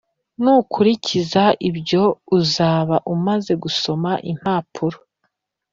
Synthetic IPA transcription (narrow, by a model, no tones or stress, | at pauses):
nukʰuɾicizaibɟo̞uzaːβaʔumaze̞ɡuso̞maʔḭm̥haːpʰuɾo